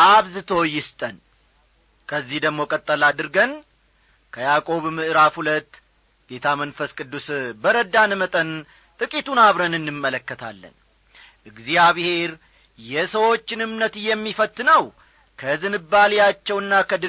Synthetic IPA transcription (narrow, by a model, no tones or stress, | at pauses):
ʔaβzɨt̪ʰo̞jɪst̪ʼən | kʰəzːihd̪əɡmo̞kʼət̪ʼːəlad̪ɨɾɡən | kʰəjakʼo̞βmɨʔɾafhulət̪ː | ɡ̥e̞t̪ʰamənfəskʼɨd̪ːusbəɾəd̪anmət̪ʼən | t̪ʼɨkʼit̪unaβɾənɨnːɨmːələkːət̪ʰa̰lːə̰n | ʔɨɡzijaβhe̞ɾ | jɛsəwo̞t͡ʃːɪnɨmnət̪jɛmːifət̪ːɨnəw | kʰəzɨnɨbːaljat͡ʃːɛwɨnːakʰəd̪ɨ